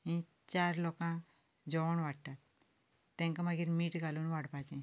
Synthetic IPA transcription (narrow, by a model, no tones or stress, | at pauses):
ĩ | t͡ɕaɾlɔkã | d͡ʑɔʋɔɳʋaɽt̪at̪ː | ɛ̃ŋkamaɡiɾmiːʈɡʱaluːnʋaɽpat͡ɕɛ̃